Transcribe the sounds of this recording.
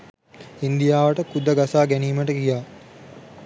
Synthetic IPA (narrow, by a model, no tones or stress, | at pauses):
ind̪ijaːʋəʈəkud̪əɡasaːɡæniːməʈəkijaː